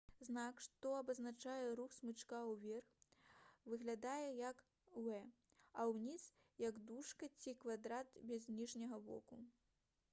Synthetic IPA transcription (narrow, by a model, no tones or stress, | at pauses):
znakʂt̪ɔɐbɐznat͡ʂajɛɾuxsmɨt͡ʂkawvʲɛrx | vɨɣlʲad̪ajɛjɐk | wɛ | ɐwnʲis | jɐɡd̪uʂkɐt͡sʲikvad̪ɾat̪bʲɛzʲnʲiʐnʲɐɣɐbɔ̰ku